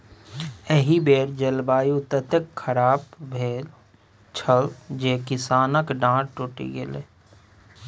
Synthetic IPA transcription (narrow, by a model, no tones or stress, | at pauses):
eɦibeːɾd͡ʒəlbaːjʊt̪ət̪əkʰːəɾaːbbʱeːl | t͡ʃʰəld͡ʒeːkɪsaːnəkɖãːʈʈoːʈḭɡelḛː